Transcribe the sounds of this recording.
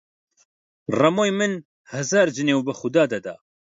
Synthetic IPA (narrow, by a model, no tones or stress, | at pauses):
rɐmoːjmɨn | hɨzaːɾd͡ʒɨnewbɨxʊd̪aːd̪ɐd̪a̰ː